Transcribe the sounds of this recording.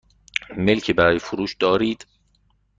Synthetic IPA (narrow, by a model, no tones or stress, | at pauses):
me̞lcʰebæɾɒːjefoɾuːʃd̪̥ɒːɾiːd̪̥